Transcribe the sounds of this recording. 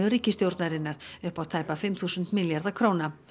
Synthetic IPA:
ʏɾiːcɪst̪jowɾt̪naɾɪnaɾʏhpat̪ʰaːjpafɪmθusʏnt̪miljaɾðakʰɾoːna

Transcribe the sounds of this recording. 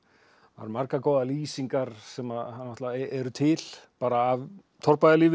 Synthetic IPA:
va̰ɾmaɾkakoːwðaliːsiŋkaɾ̥sɛmaðhanːɔht̪lavaɛɾʏt̪ʰɪl̥paːɾaːv | t̪ʰɔɾpajðaliːvɪ

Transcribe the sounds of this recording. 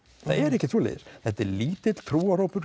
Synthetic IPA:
θa̰ðɛɾɪhcːɪt̪ʰɾuːlɛ̰ðɪ̰ɾ̥θɛt̪ːɛɾliːt̪ɪt̪t̪ʰɾuːaɾoːwpʏɾ̥

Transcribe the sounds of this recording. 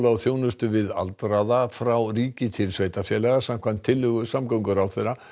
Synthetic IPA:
lawθjoːwnʏst̪ʏvɪða̰lt̪ɾaðafɾawriːcɪt̪ʰɪlsveːjt̪afjɛlɛɣasam̥kʰvant̪ʰːɪlːʏɣʏsamkawŋkʏɾawθejɾa

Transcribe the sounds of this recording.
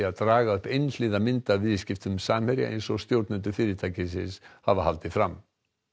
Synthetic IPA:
aðt̪ɾaːɣaʏhpejnlɪːðamɪnt̪avɪðscɪft̪ʏmsaːmhɛɾjɪ̰ʔḛjnsɔɣst̪jowɾt̪nʏnt̪ʏfɪːɾɪt̪ʰajcɪsɪshavaha̰lt̪ɪfɾam

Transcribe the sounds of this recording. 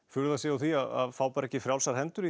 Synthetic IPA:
fʏɾʏðasɛawθiaða̰ðfaːwpaɾɛhcːɪfɾjawlsaɾ̥hɛnt̪ʏɾi

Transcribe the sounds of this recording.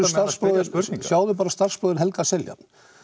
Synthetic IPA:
ʏst̪ar̥spɾoːwðɪɾsjaːwðʏp̬aːɾast̪ar̥spɾoːðɪɾɦɛlkasɛlja̰t̪n̥

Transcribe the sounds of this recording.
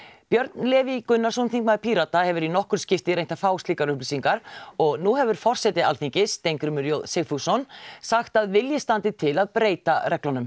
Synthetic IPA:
pjœɾt̪nlɛːvikʏnːaɾs̬ɔnθĩŋkmaðpʰiɾat̪ahɛvʏɾinɔhkʏɾ̥scɪft̪ɪɾejnt̪afaːwst̪liːkaɾʏhplisiŋkaɾɔɣnuhɛvʏɾ̥fɔr̥sɛt̪ɪalθiɲcɪst̪ejŋkɾʏmʏɾjowðseɣfusɔnsaxt̪aðvɪljɪst̪ant̪ɪt̪ʰɪlaðpɾeːjt̪arʔɛklanʏm

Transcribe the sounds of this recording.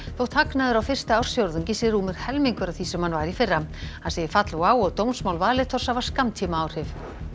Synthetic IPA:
θowt̪haknaðʏɾawfɪr̥st̪aawr̥sjowɾðʏɲcɪsɪɾuːmɪɾ̥hɛlmiŋkʏɾawθisɛmhanvaːjɾifɪrːaasejɪfat̪lwaːwɔɣt̪ownsmawlvaːlɪt̪ʰɔr̥savḁskamt̪ʰiːmaaːwr̥hɪv

